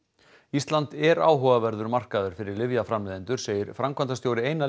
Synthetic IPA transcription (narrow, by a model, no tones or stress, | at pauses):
ist̪lant̪ɛɾa̰ːwɦɔːvavɛɾðʏɾmar̥kaðʏɾ̥fɪɾɪɾlɪvjafɾamlɪːðɪnt̪ʏɾ̥seːjɪɾfɾamkʰvant̪ast̪jowɾɪeːjna